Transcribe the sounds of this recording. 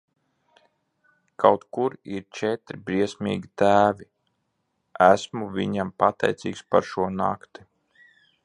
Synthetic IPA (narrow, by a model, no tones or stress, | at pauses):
kʰawt̪kuɾiɾt͡ʃɛt̪ɾibɾiɛsmʲḭːɡʲit̪æːvi | æsmuviɲampat̪ɛ̰jt̪siːkspaɾʃuɔna̰kt̪i